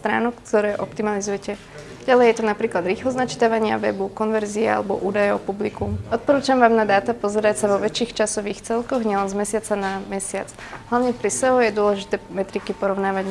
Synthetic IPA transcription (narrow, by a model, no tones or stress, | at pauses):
st̪ɾa̰ːnukt̪ɔɾɛːʔɔpt̪imalizujɛcɛ | ɟalɛjjɛt̪ɔnapɾiːklad̪ɾiːxlɔznat͡ʃi̥t̪aʋaɲɪa̰ʋɛ̰bukɔnʋɛɾziɛa̰lɛbɔ̰ʔuːd̪ajɛɔpublikuɔt̪̚pɔɾuːt͡ʃamʋaːmnad̪aːt̪apɔzɛɾacsaʋɔʋɛt͡ʃiːxt͡ʃasɔʋiːxt͡sɛlkɔɣɲɪɛlɛnzmɛsɪat͡sanamɛsɪat͡s | ɦlaʋʊɲɛpɾisɛɦɔjɛd̪ʊɔlɛʒit̪ɛːmɛt̪ɾikipɔɾɔʊnaːʋaɟ